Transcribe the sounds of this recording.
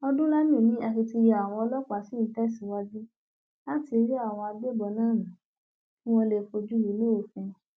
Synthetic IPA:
ɔ˧dũ˦la˦mĩ˦˨nĩ˨˦a˧ki˧ti˧˦ja˨a˨w̃ɔ̃˧ɔ˧lɔ˦k͡pa˨˦si˨˦n̩˨˦tɛ˦˨si˨˦wa˦d͡ʒi˦ | la˦ti˧ɾi˦a˦˨w̃ɔ̃˧a˧ɡ͡be˦bɔ˧nãː˦˨nã˨˦ | fũ˦ɔ̃˧le˨fo˧d͡ʒu˦ji˨˦nũ˦o˦˨fɛ̃˧

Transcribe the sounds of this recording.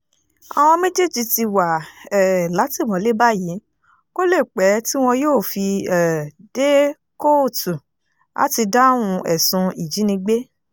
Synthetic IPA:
a̰˨w̃ɔ̃˧me˦d͡ʒe˦˨d͡ʒi˧ti˧wa˨ɛ˨la˨˦ti˦˨w̃ɔ̃˨˦le˦ba˦ji˨˦ | ko˦le˦˨k͡pɛ˨˦ti˦w̃ɔ̃˧joː˦˨fi˧ɛ˨d̥e˦ | ko˦˨tu˨ | a̰˦ti˧da˦w̃ũ˧ɛ˨sũ˧i˨d͡ʒi˨˦nĩ˧ɡ͡be˦

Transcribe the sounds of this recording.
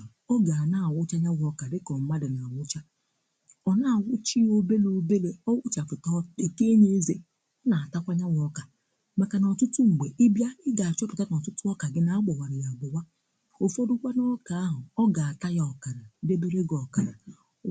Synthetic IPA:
ɔ˦ɡa˨a˨na˦a˨wʷʊ˦t͡ʃa˦ɲa˦wɔ˦ka˨dɪ˦kɔ˨m̩˦ma˦dɪ˨na˨wʊ˦t͡ʃa˦ | ɔ˨na˦˨wʷʊ˦t͡ʃi˦o˦be˦lo˦be˦le˦ɔ˦wʊ˦t͡ʃa˨fʊ˨tɔ˦e˨ke˦ne˦ze˦ | ɔ˦na˨a˨ta˦kʷa˦ɲa˦wɔ˦ka˨ | ma˨ka˨nɔ˨tʊ˦tu˦ŋ͡m̩˨ɡ͡be˨ʔɪ˦bja˦ɪ˦ɡa˨a˨t͡ʃɔ˦pʊ˨ta˦n˨tʊ˦tʊ˦ɔ˦ka˨ɡɪ˦na˦a˦ɡ͡bɔ˨wa˨ɾɪ˨ja˨ɡ͡bɔ˨wa˦ | o˨fo˦dʊ˦kʷa˦no˦ka˨a˦ɦʊ˨ɔ˦ɡa˨a˨ta˦ja˨˦ɔ˨ka˨ɾa˨˦de˦be˦ɾe˦ɡɔ˨ka˨ɾa˨

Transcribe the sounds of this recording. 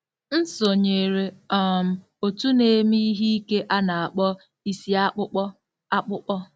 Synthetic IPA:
n̩˦so˨ɲe˨ɾe˨ɔ˨m̩˨˦ | o˨tu˦ne˨mi˦i˦ɦi˦i˦ke˦ʔa˦na˨a˨k͡pɔ˦ | i˦si˦a˦k͡pʊ˦k͡pɔ˦ | a˦k͡pʊ˦k͡pɔ˦

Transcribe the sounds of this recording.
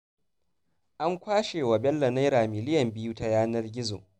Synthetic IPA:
ʔa˦ŋkʷaː˦ʃeː˨wa˨bɛ˦lːɐ˨na˦jɾaː˨mɪ˨lɪ˦jɐ˨mbɪ˦juː˦ta˦jaː˦nɐ˦rɡʲɪ˦zo̰ː˨

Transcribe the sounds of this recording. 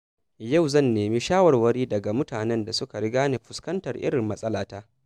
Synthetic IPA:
ja˦˨wzɐ˦˨nːeː˨mi˦ʃaː˦wɐ˨rwɐ˦ɾiː˦dɐ˨ɡa˨mʊ˦taː˨nɛ˦nda˨sʊ˦ka˨ɽɪ˦ɡaː˦ne˨ɸʊ˨skɐ˦ntɐ˨rʔɪ̰˦ɾɪ˨mːɐ˦sʼɐ˦laː˨taː˦

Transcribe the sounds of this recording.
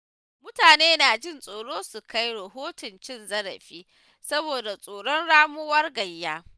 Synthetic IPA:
mʊ˦taː˨neː˦naː˨d͡ʒɪ˦˨nsʼoː˨ɽoː˦su˨ka˦jɽɐ˨ɦoː˦tʊ˨nt͡ʃɪ˦nzɐ˦ɽɐ̰˨ɸiː˦ | sɐ˦boː˨da˨sʼoː˨ɽɔ˦nɽaː˦mʊ˦wɐ˦rɡɐ˨jːaː˦

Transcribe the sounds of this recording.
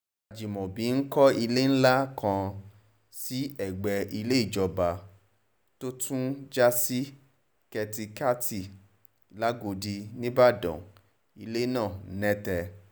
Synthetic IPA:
a˨d͡ʒi˨mɔ̃˨bĩ˨˦n̩˦kɔ˦i˧le˦n̩˦la˦kã˧ | si˦ɛ˦˨ɡ͡bɛ˧i˧le˦i˦˨d͡ʒɔ˧ba˧ | to˦tũ˦d͡ʒa˦si˦ | kɛ˧ti˧ka˦ti˨ | la˦ɡo˧di˧nĩ˦ba˦˨dɔ̰̃˨ | i˧le˦nãː˦˨n̩˦nɛ̃˦tɛ˧

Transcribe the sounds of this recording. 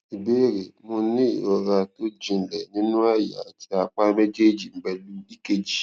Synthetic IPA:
i˨be˦ɾe˨mʊ̃˧˦nĩ˦i˨ɔ˧ɾa˧to˦d͡ʒĩ˨n̩˨lɛ˨nĩ˦nũ˦a˦˨ja̰˨a˨tʰi˦a˧k͡pa˦me˦d͡ʒe˦d͡ʒi˨m̩˦bɛ˦lu˦i˦ke˨d͡ʒi˨

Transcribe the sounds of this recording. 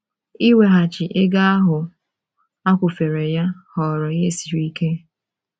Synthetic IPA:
i˦we˨ɦa˨t͡ʃɪ˨ʔe˦ɡa˦a˦ɦʊ˨ | a˦kʷʊ˨fe˨ɾe˨ja˦hɔ˨ɾɔ˨je˦˨si˨ɾi˦ke˦

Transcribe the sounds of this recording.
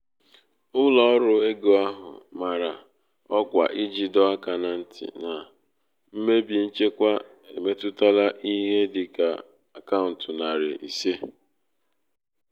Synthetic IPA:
ʊ˦lɔ˨ɔ˦ɾʊ˨e˦ɡo˨a˦ɦʊ̰˨ma˨ɾa̰˨ | ɔ˦kʷa˨ʔɪ˦d͡ʒi˨dɔ˦a˦ka˨na˨n̩˦tʰɪ̰˨na˨ | m̩˦me˦bi˨n̩˦t͡ʃe˦kʷa˦ | e˨me˦tʊ˦ta˦la˦ʔi˦ɦe˦dɪ˨ka̰˨ | a˨ka˦ʊ˨n̩˨tʊ˨na˨ɾɪ̰˨ʔi˨se˦

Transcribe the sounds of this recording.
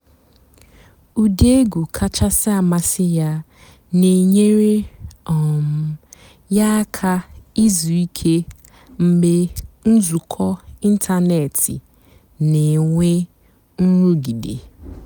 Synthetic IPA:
u˨de˦ɡu˨kʰa˦t͡ʃa˦sɪ˦a˨ma˦sɪ˦ja˦ | ne˨ɲe˦ɾe˦ɔ˨m̩˨˦ | ja˦kʰa˦i˦zu˨i˦kʰe˦ | m̩˦ɡ͡be˦n̩˦zu˨kʰɔ˦i˦n̩˦tʰa˦ne˨tʰɪ̰˨ | nɪ˨ŋʷe˦ | n̩˦ɾu˦ɡi˨dḛ˨

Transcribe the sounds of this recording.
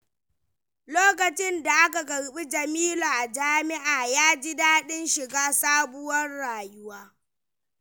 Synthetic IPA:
loː˦kɐ˨t͡ʃɪ˦nda˨ʔa˦ka˨ɡɐ˨ɽɓi˦d͡ʒɐ˨miː˦la˨ʔa˨d͡ʒaː˦mɪ˦ʔaː˨jaː˦d͡ʒi˦daː˦ɗɪ˦nʃɪ˨ɡaː˦saː˦bʊ˦wɐ˦rɽaː˨jʊ˦waː˦

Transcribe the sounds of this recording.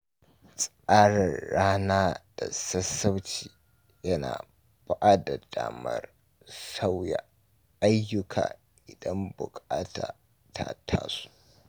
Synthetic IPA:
sʼʔaː˦ɽɐ˨rːaː˦naː˦d̥a˨sɐ˦sːɐ˦wt͡ʃiː˨ | jɐ˦na̰ː˨ | b̥a˦ʔaː˦da˨daː˨mɐ̰˦r | sa˦wja˨ | ʔa˦jːʊ˦kʰa̰ː˨ | ʔɪ˨dɐ˦mbʊ˨kʼaː˦ta̰ː˨ | tʰaː˦tʰa̰ː˦su̥˦˨ʔ

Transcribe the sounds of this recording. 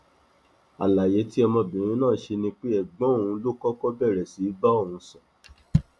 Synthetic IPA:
a̰˨la˨je˨˦ti˦ɔ˧mɔ̃˧bĩ˨ɾ̃ĩ˦nãː˦˨ʃe˧nĩ˧k͡pe˦ɛ˨ɡ͡bɔ̃˦˨ũ˧˦lo˦kɔ˦kɔ˦bɛ˦˨ɾɛ˨si˨˦ba˦o˦˨ũ˧˦sɔ̃˨

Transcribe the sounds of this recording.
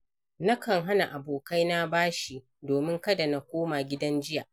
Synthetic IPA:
na˦kɐ˨ŋɦa˦na˨ʔa˨boː˨ka˦jna˦baː˦ʃi˨ʔ | doː˨mɪ˦ŋkɐ˦da˨na˦kʷoː˦maː˨ɡʲɪ˦dɐ˦nd͡ʒɪ˦ja˨ʔ

